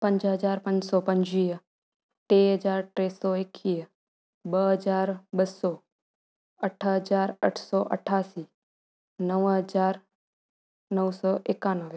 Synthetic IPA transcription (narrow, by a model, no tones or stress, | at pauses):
pə̃ɲd͡ʒɦəd͡ʒaːɾpə̃ɲd͡ʒsɔːpɐ̃ɲd͡ʒiːə | ʈeːɦəd͡ʒaːɾʈɾeːsɔːekʰːiːə | bəɦəd͡ʒaːɾbəsɔː | əʈʰɦəd͡ʒaːɾə̰ʈʰsɔːʔə̰ʈʰaːsiː | nəʋɦəd͡ʒaːɾ | nəʋsɔːʔɪkaːnəʋ